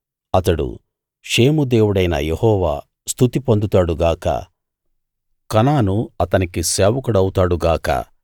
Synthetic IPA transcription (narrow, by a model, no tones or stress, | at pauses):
ɐt̪ɐɽṵ | ʂe̞ːmud̪e̞ːwuɽɐjnɐ̰jehɔːʋa̰ː | st̪ʰut̪ipond̪ut̪aːɽuɡaːkɐ̰ | kɐnaːnuɐt̪ɐnikisɛːʋɐkuɽɐwut̪aːɽuɡaːkɐ̰